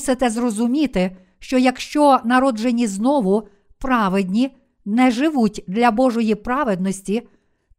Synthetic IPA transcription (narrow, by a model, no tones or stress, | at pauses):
sɪt̪ɛzrɔzʊmʲit̪ɪ | ʃt͡ʃɔjɐkʃt͡ʃɔnɐɾɔd͡ʒenʲiznɔʋʊ | pɾɑʋed̪ʲnʲi | nɛʒɪʋutʲd̪lʲɐbɔʒɔjipɾɑʋed̪nɔsʲtʲi